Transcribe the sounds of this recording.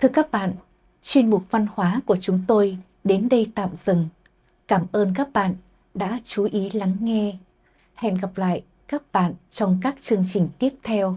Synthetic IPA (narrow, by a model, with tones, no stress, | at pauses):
t̪ʰɨ˧əkaː˦˥k̚ɓa̰ː˧˨n | t͡ɕwi˧ənmʊ˨˩k͡p̚va˧nhwaː˨˦ku˧˩ət͡ɕʊ˨˦ŋ͡mt̪o˧j | ɗe˨˦nɗə˧jt̪a̰ː˧˨mz̥ɨ˨˩ŋ | kaː˧˩mʔəː˧nkaː˦˥k̚ɓa̰ː˧˨n | ɗa̰ː˧˥t͡ɕu˨˦ʔi˨˦la˨˦ŋːɛ˧ | hɛ̰˧˨nɣa˨˩p̚la̰ː˧˨j | kaː˦˥k̚ɓa̰ː˧˨nt͡ɕɔ˧wŋ͡mkaː˦˥k̚t͡ɕɨ˧əŋt͡ɕï˨˩ŋ̟t̪i˦˥əp̚t̪ʰɛ˧w